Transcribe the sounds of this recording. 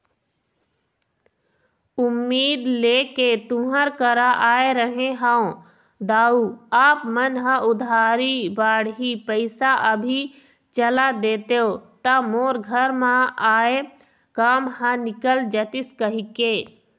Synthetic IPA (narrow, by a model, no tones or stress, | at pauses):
ʊmːiːd̪leːket̪ʊ̃ɦəɾkəɾaʔaːeɾəɦẽɦãõ | d̪aːuaːpmənɦə̃ʊd̪ʱaːɾibaːɽɦipəɪsaʔəbʱi | t͡ʃəlad̪eːt̪eot̪amoːɾɡʱəɾmãaːe | kaːmɦãnɪkəld͡ʒət̪ɪskəɦikeː